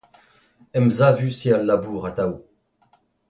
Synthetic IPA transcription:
ɛmzavysialːabuːʁat̪aw

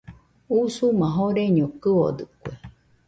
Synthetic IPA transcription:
usumãɦoɾeɲõkɨo̰d̪ɨkʷe

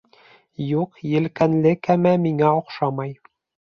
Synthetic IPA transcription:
juqjɘ̆lkænlɘkæmæmiŋæŏqʃɑmɑj

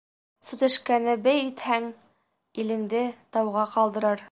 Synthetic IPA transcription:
sʉt̪ɘ̆ʃkænɘbæjit̪hæŋ | ilɘ̆ŋd̪ɘt̪ɑwʁɑqɒlˠd̪ɤ̆ɾɑɾ

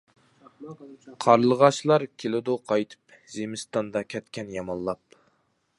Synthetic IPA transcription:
qʰɑɾlˠəʁɑʃlˠɑɾkʲʰelɪd̪uqʰɑjt̪ʰɨ̥p | zemɪst̪ɑnd̪ɑkʲʰɛt̪kʲɛnjɑmɑnlˠɑp̚

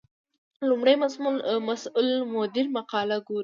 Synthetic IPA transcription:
lumɽajmazmulmasʊlmʊd̪ɪɾmaqɑlaɡuɾ

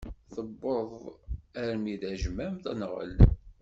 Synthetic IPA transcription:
θəbːoðˤæɾmiðæʒmæmθənʁə̰l

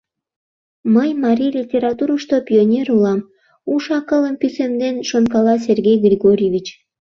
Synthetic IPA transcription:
məjmɑɾʲijlʲitʲeɾɑt̪uɾuʃt̪opʲionʲeɾulɑm | uʃɑkələmpysemd̪enʃonkɑlɑs̬ʲerɡʲejɡrʲiɣoɾʲevʲit͡ɕ

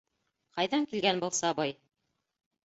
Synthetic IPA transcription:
qɑjðɑŋkilɡænbŭlˠsɑbɑj

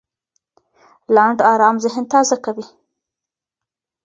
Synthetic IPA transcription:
laɳɖɑɾɑmzɪɦɪnt̪ɑzakawi

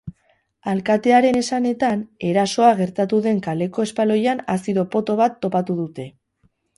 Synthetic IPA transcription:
alkat̪e̞aɾe̞ne̞sane̞t̪ane̞ɾaso̞aɣ̞e̞ɾt̪at̪uðe̞ŋkale̞ko̞espalo̞janasiðo̞po̞t̪o̞βat̪ːo̞pat̪uðut̪e̞

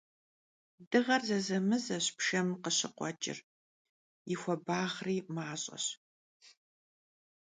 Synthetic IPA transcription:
dɨʁɐrzɐzɐmɨzɐɕpʃɐmqəɕɪqʷɔ̰t͡ʃʼɪ̰r | jɪxʷɔbaːχriːmaːɕʼɐ̰ɕ

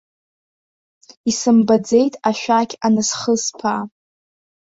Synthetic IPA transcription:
isɨmbad͡ze̞jtʼaʃᶣakʲʰanɨsχəspʰa

